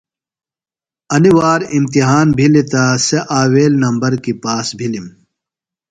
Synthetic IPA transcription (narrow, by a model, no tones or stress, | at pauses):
ɐniwaːɾimt̪iɦaːnbʱilit̪aseʔaːweːlnɐmbɐɾkipaːsbʱilim